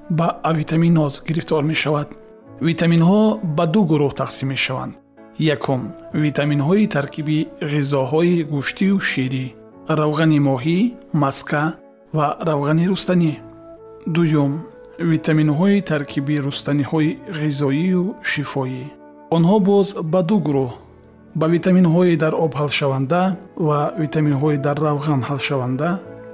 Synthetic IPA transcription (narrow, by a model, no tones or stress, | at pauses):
bavit̪ʰaminɔzɡiɾift̪ɔɾme̞ʃavad̪ | vit̪ʰaminɦɔbad̪uɡuɾuht̪ʰaqsimːe̞ʃava̰nd̪ | jakʰumvit̪ʰaminɦɔit̪ʰaɾkʰibiʁizɔɦɔiɡuʃt̪ʰiuʃiɾi | ɾavʁanimɔɦimaskʰa | vaɾavʁaniɾust̪ani | d̪ujum | vit̪ʰaminɦɔit̪ʰaɾkʰibiɾust̪anihɔiʁizɔiuʃifɔi | ɔnhɔbɔzbad̪uɡuɾuh | bavit̪ʰaminɦɔid̪aɾɔbhalʃavand̪avavit̪ʰaminɦɔid̪aɾːavɣanhalʃavand̪a